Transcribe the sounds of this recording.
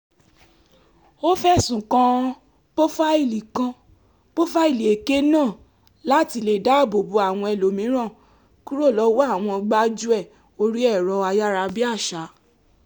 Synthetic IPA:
o˦fɛ˦˨sũ˨kã˧˦ | po˦fa˦i˦˨li˨kã˧ | po˦fa˦i˦˨li˨e˨ke˦nãː˦˨ | la˦ti˧˦le˧˨da˦˨bo˨bu˧˦a˨w̃ɔ̃˧ɛ˧lo˨mĩ˨˦ɾ̃ã˦˨ | ku˦ɾo˦˨lɔ˨˦wo˦a˦˨w̃ɔ̃˧ɡ͡ba˦d͡ʒu˦ɛ˦˨ | o˧ɾi˦ɛ˦˨ɾɔ˧a˧ja˦ɾa˧bi˦a˦˨ʃa˨˦

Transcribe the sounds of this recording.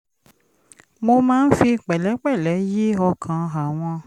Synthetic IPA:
mo˧mãː˦n̩˦fi˧˨k͡pɛ˨lɛ˨˦k͡pɛ˦˨lɛ˨˦je˦ɔ˧kʰã˨a˨w̃ɔ̃˧

